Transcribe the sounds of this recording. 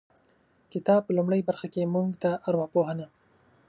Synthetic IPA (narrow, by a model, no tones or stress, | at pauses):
kɪt̪ɑb̚pəlʊmɽəjbaɾxakemuŋɡt̪aʔaɾwɑpoɦana